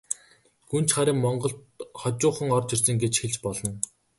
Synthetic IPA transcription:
ɡun̥t͡ɕχaɾʲiːŋmɔɴɢɞ̆ɬt̪χɔt͡ɕʊːχə̆ŋɔrt͡ɕirsə̆ŋɡet͡ɕxeɮt͡ɕpɔɮɞ̆n

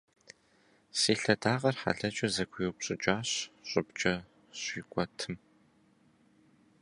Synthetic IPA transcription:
siːɬɐdaːʁɐrħa̰ɮɐt͡ʃʼɐzɐkʷʰʊjupɕʼɪt͡ʃʼaːɕɕʼʊbt͡ʃʼɐ | ɕiːkʷʼɔtʰɨm

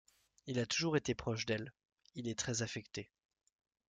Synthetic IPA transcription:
ilat̪uʒuʁet̪epχɔʃd̪ɛl | ilɛt̪χɛzafɛkt̪e

